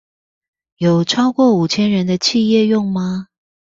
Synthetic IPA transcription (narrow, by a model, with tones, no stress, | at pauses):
jo˨˩ʊʈ͡ʂʰɑ˥ʊkwɔ˥˩u˨˩t͡ɕʰjɛ˥nɻə˧˦˥nd̪ə˧t͡ɕʰi˥˧jɛ˥˧jʊ˥˩ŋma˧